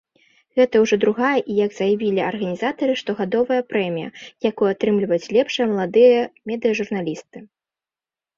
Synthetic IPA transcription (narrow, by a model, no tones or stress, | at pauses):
ɣɛt̪ɐwʐɔd̪ɾuɣajɐʔijaɡz̥ɐjavʲilʲiɐrɣɐnʲizat̪ɐɾɨʂt̪ɔɣad̪ɔvɐjɐpɾɛmʲijɐ̰jakujuat̪ɾɨmlʲivɐjut͡sʲlʲɛpʂɐjɐmɐlˠad̪ɨjɐmʲɛd̪ɨjɐʐurnalʲist̪ɨ